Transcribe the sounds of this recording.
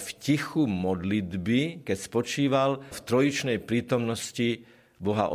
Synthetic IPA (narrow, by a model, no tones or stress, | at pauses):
fcixumɔd̪lid̪bikɛcspɔt͡ʃiːʋalft̪ɾɔjit͡ʃnɛjpɾiːt̪ɔmnɔsci | bɔɦa̰ʔ